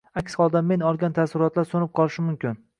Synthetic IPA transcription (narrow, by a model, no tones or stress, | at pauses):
akʲshɒlˠd̪amːe̞nɒlˠɡʲant̪ʰasɪɾɒt̪laɾsonɪp̚qʰɒlˠɪʃɪmʊmkʲɪn